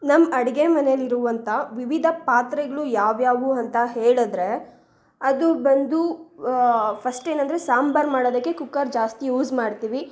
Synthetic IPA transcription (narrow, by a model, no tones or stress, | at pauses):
nɐmːɐɽɐɡemɐnejɐliɾuʋɐnt̪ʰɐʋiʋid̪ʱɐpaːt̪ɾɛɡɐɭujaːʋjaːʋuɐnt̪ɐɦeːɭɐd̪ɾe̞ | ɐd̪ubɐnd̪u | pʰɐsʈeːnɐnd̪ɐɾesaːmbɐɾmaːɽoːd̪ɐkːe̞kukːɐɾd͡ʒaːst̪ijuːzmaːɖt̪iːʋi